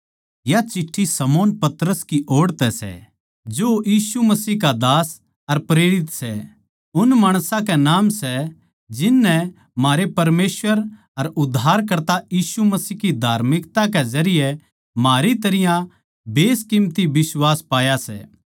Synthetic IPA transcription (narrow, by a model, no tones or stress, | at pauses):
jat͡ʃɪʈʰːisɐmoːnpɐt̪ɾəskiʔoːɽt̪ɛsɛ̰ | d͡ʒojiːsumɐsiːkad̪aːs | ɐɾpɾeːɽɪt̪sɛ | ʊnmaːɽ̃sãkɛnaːmsɛ | d͡ʒɪnːɛ | maːɾepɐɾmeːsʋəɾ | ɐɾʊd̪ʱːaːɾk̬ɐɾt̪ajiːsumɐsiːkid̪ʱaːɾmɪkt̪ãkɛzɐɾɪjɛ | maːɾit̪ɐɾɪjã | beːskɪmt̪ibɪswaːspaːjasɛ̰ː